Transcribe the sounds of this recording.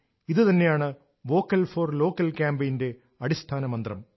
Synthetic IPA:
iðɨt̪ɐnːe̞jaːɳɨ | ʋo̞ːkːɐlfoːrlo̞ːkːɐlkʲaːmbɐjnde̞ | ɐɽist̪ʰaːnɐmɐnd̪rɐm

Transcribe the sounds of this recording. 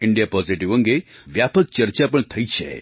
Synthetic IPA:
iɳɖijapɔziʈiʋə̃ŋɡeʋjapək̚t͡ʃəɾt͡ʃapəɳt̪ʰəjt͡ʃʰḛ

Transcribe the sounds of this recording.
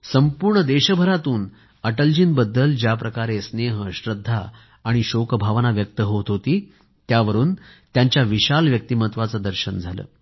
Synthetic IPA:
səmpuːɾɳəd̪eɕəbʱəɾat̪uːn | əʈəld͡ʑinbəd̪ːəld͡ʑjapɾəkaɾesneɦəɕɾəd̪ʱːaː | ɽ̃iɕokəbʱaʋnaʋjək̚t̪əɦot̪ɦot̪iː | t̪jaʋəɾuːnt̪jaɲt͡ɕjaʋiɕalʋjək̚t̪iːmət̪ʋat͡səd̪əɾɕənd͡zʱalə̰ː

